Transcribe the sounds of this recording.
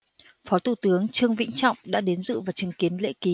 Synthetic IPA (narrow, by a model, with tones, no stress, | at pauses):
fɔ˨˦t̪ʰu˧˩t̪ɨ˨˦əŋt͡ɕɨ˧əŋvḭ˧˥ŋ̟t͡ɕɔ̰˧˨wŋ͡mɗa̰ː˧˥ɗe˨˦nzɨ̰˧˨vaː˨˩wt͡ɕɨ˨˩˦ŋki˨˦ənlḛ˧˥ki˨˦